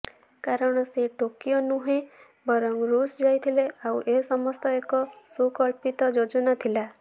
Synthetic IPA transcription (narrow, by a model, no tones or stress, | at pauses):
kaɾɔɽ̃ɔseʈokijonuɦẽ | bɔɾɔŋɡɾusd͡ʒajt̪ʰileawʔesɔmɔst̪ɔekɔsukɔɭpit̪ɔd͡ʒod͡ʒɔnat̪ʰila